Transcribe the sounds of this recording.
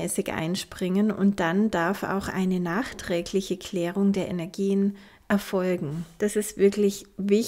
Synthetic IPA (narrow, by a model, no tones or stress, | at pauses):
ɛːsɪçʔa̰ɪnʃpʁ̥ɪŋənʊ̰nt̚d̥and̥aɐfa̰ʊxʔa̰ɪnənaːxtʁ̥ɛːɡlɪçəkʰl̥ɛːʁ̞ʊŋdeːɐʔenɛɐɡiːən | ʔɛɐfɔlɡŋ̩d̥asɪstv̥ɪɐklɪçvɪ